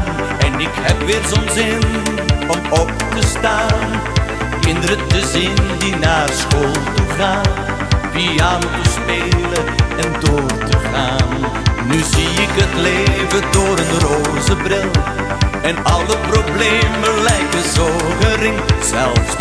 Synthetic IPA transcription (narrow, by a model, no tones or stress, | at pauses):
ɛnɪkhɛpʋɪːrzonzɪn | ɔmɔp̚təstaːn | kɪndəɾətəzɪndinaːrsχoːlˠtuχaːn | fiaːntəspeːləɛndʊːrtəχaːnː | yziɪkətlejvədʊːɾənrozəbrɪlˠ | ɛnɑlˠəprobleːməlɛjkəzoχərɪŋtz̥ɛlˠf